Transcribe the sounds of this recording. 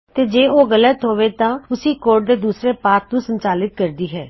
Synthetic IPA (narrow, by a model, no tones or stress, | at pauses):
t̪eːd͡ʒeːʔoːɡələt̪ɦoːʋeːt̪ãːʊsiːkoːɾʈ̚d̪eːd̪uːsɾeːpaːt̪nũːsəɲt͡ʃaːlɪt̪̚kəɾd̪iːɦɛː